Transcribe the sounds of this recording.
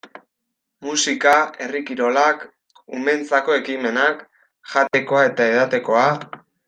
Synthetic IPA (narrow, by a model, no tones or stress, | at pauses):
musikae̞rikiɾo̞lak | ume̞nt͡sako̞e̞kime̞nak | ʝat̪e̞ko̞ae̞t̪aeðat̪e̞ko̞a